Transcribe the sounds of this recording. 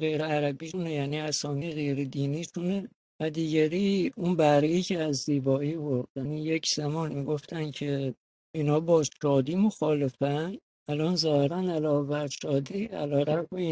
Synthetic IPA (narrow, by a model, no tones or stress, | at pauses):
ɣejɾeæɾæbiːʃunejæniːæsɒːmiɣe̞jɾed̪iːniʃune | væd̪iːɟæɾiːunbæɾeiːcʰeæzːiːbɒːiːboɾdd̪ænijecʰz̥æmɒːnmiːɡo̞ft̪ʰæncʰe | inhɒːbɒːʃɒːd̪iːmo̞xɒːle̞fæn | ælɒːnzɒːheɾænælɒːvæɾʃɒːd̪iæ̰lɒːɾæɾbei